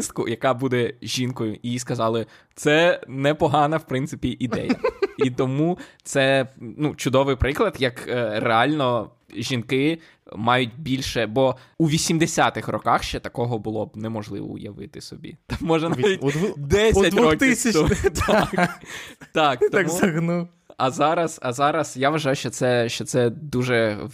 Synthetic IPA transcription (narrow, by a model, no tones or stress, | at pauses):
st̪kʊ̰jɐkɑbud̪ɛʒʲinkɔjʊʔiiskɐzɑlˠɪ | t̪sɛnɛpɔɦɑnɐwpɾɪnt̪sɪpʲiʔid̪ɛ̰jɐ̰it̪ɔmut̪sɛnut͡ʃʊd̪ɔʋɪjpɾɪklˠɐd̪jɐkːreɑlʲnɔ | ʒʲinkɪ | mɑjʊt̚ʲbʲilʲʃɛbɔ | uʋʲisʲimd̪esʲat̪ɪxrɔkɑxʃt͡ʃɛt̪ɐkɔɦɔbʊlˠɔbnɛmɔʒlˠɪ̰ʋɔ̰ʊ̰jɐ̰ʋɪ̰t̪ɪsɔbʲḭt̪mːɔʒɛnaʋʲitʲd̪ɛsʲɐt̪ʋʲɾɔk̪ʲɪsʲɐɔt̪k | t̪ɑkt̪ɔmʲɐɦnu | ɐzɑɾɐz̥ɐzɑɾɐsjaʋɐʒɑjʊʃt͡ʃɔt̪sɛʃt͡ʃɔt̪sɛd̪uʒɛ